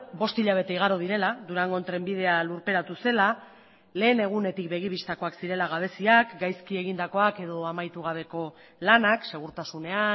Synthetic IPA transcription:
bo̞st̪iʎaβ̞e̞t̪e̞iɣ̞aɾoð̞iɾe̞lad̪uɾaŋɡont̪ɾe̞mbið̞e̞aluɾpe̞ɾat̪use̞la | le̞ːne̞ɣ̞une̞t̪ikbe̞ɣ̞iβist̪ako̞aksiɾe̞laɣ̞aβ̞e̞siakɡajskieɣ̞ind̪ako̞ake̞ð̞o̞amajt̪uɣ̞aβ̞e̞ko̞ | lanakse̞ɣ̞uɾt̪asune̞a

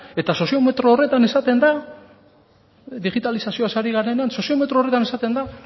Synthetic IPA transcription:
e̞t̪aso̞sio̞me̞t̪ɾo̞ːre̞t̪ane̞sat̪e̞nd̪a | d̪iɣit̪alisasio̞asaɾiɣane̞neanso̞sio̞me̞t̪ɾore̞t̪ane̞sat̪e̞nd̪a

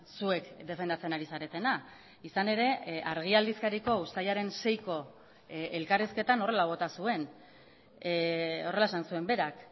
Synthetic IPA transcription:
sue̞kd̪e̞fe̞nd̪at͡se̞naɾisaɾe̞t̪e̞na | isane̞ɾe̞aɾɣ̞iald̪iskaɾiko̞ust̪ajaɾe̞nse̞jko̞ | elkariske̞t̪ano̞re̞laβ̞o̞t̪asue̞n | o̞re̞laesansue̞mbe̞ɾak

